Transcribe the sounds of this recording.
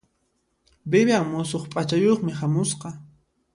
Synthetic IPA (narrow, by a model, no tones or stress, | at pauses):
bɪbaŋmʊsoχpʼat͡ʃajoχmɪhamʊsqɑ